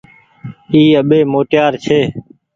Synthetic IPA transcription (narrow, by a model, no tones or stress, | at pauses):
iːəɓeːmoːʈjaːɾt͡ʃʰeː